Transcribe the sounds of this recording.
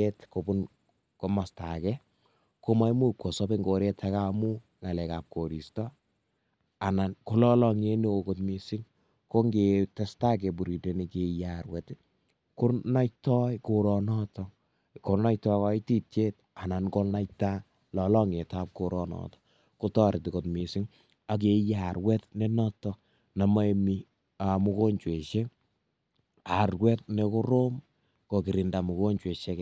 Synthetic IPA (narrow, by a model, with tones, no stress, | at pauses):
e˦tko˨bu˦n | ko˨ma˨sta̰˨kɛ | ko˦ma˦jmu˦kwɔ˨sɔ˦be˦ŋɡo˨ɾe˦tʰaka˦mu˦ | ŋa˨lɛ˨ka˨p̚ko˨ɾi˨stɔ | a˨na˨nko˦lɔ˦lɔ˦ŋe˦ne˦okotmisi˦ŋ | ko˦ŋɡe˨tɛ˦sta˦k̬e˨b̬u˨ɾi˨te˨ni˨ke˨jaɾwɛ˨t | ku˦na˦itɔ˦iko˨ɾɔ˨nɔ˦tɔ˨ | ko˨ɾna˦jtɔkɔ˦i˦ti˦t͡ʃe˦t̚ | a˨na˨nko˦na˦jta˦ | lɔ˨lɔ˦ŋe˨tap̚ko˨ɾɔ˨nɔ̰tɔ̥ | kotɔ˦ɾɪ˨ti˨ko˨tmi˨si˦ŋ | a˨k̬e˦ja˨ɾwɛ˦tne˦nɔ˦tɔ | na˨ma˦emi˦ | a˨mu˦ko˦ɲt͡ʃwe˨ʃe˦ | a˨rwɛ˦tne˨ko˦ɾo˦m | ko˨ki˨ɾi˨nda˨mu˨ko˦ɲt͡ʃwe˨ʃe˦k